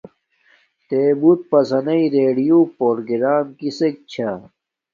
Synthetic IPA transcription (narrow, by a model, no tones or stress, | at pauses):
t̪eːbut̪̚pɐsɐnɐiɾeːɖijupoɾɡiɾaːmkisek̚t͡ɕʰa